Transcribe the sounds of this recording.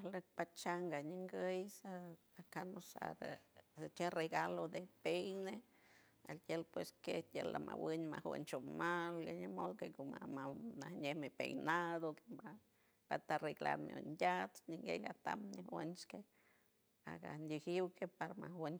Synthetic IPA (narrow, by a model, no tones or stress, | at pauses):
lek̚pat͡ʃaŋɡaɲiŋɡəjsa | akanosa̰ɾsat͡ʃereɡalod̪epejne | alt̪ʲelpweskejela̰mʔa̰winʲmahwɨ̰nt͡ʃomaljaɲemokekomamanahɲemepejnad̪okea | pat̪aɾiɡla̰mjo̰nd̪ʲat̪ɲiŋɡejat̪amɲewent͡ʃke | a̰ɡand̪ʲihiwkepaɾamawɨn